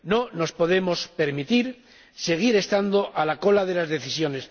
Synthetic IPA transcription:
no̞no̞spo̞ðe̞mo̞spe̞ɾmit̪iɾ | se̞ɣ̞iɾe̞st̪and̪o̞ʔalako̞laðe̞lazðe̞θisjo̞ne̞s

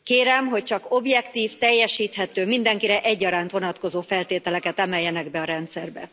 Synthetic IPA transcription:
keːɾɛmɦo̞c̚t͡ʃɒko̞bjɛkt̪iːft̪ɛjːɛʃiːt̪hɛt̪øːmind̪ɛŋkiɾɛʔɛɟːɒɾaːnt̪ʋo̞nɒt̪ko̞zoːfɛlt̪eːt̪ɛlɛkɛt̪ɛmɛjːɛnɛɡbɛɒɾɛnt̪sɛrbɛ̰

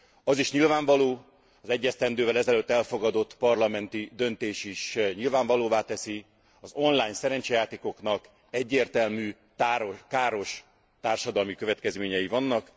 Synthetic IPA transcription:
ɒziʃɲilvaːɱvɒloː | ɒzɛɟːɛst̪ɛnd̪øːvɛlɛzɛløːt̪ːɛlfo̞ɡɒd̪o̞t̪ːpɒrlɒmɛnt̪id̪ø̞nt̪eːʃiʃɲilvaːɱvɒloːvaːt̪ɛsi | ɒzo̞nlaːjɲsɛɾɛnt͡ʃɛjaːt̪eːko̞knɒk | ɛɟːeːrt̪ɛlmyː | t̪aːɾokaːɾo̞ʃ | t̪aːrʃɒd̪ɒlmikø̞vɛt̪̚kɛzmeːɲɛjivɒnːɒk

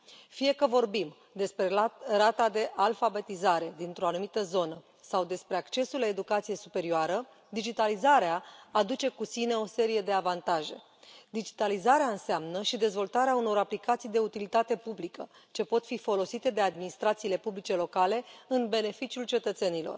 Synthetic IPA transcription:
fije̞kəvo̞rbim | d̪e̞spɾe̞ɾat̪ad̪e̞ʔalfabe̞t̪izaɾe̞d̪int̪ɾo̞anumit̪əzo̞nə | sawd̪e̞spɾe̞akt͡ʃe̞sulae̞d̪ukat̪sijesupe̞ɾioaɾə | d̪id͡ʒit̪alizaɾeaːd̪ut͡ʃe̞kusine̞o̞se̞ɾije̞d̪e̞avant̪aʒe̞̰ | d̪id͡ʒit̪alizaɾeaɨnseamnəʃid̪e̞zvo̞lt̪aɾeauno̞ɾaplikat̪sijd̪e̞ut̪ilit̪at̪e̞publikə | t͡ʃe̞po̞t̪fifo̞lo̞sit̪e̞d̪e̞ad̪minist̪ɾat̪siːle̞publit͡ʃe̞lo̞kale̞ɨnbe̞ne̞fit͡ʃiult͡ʃe̞t̪ət̪se̞nilo̞̰r

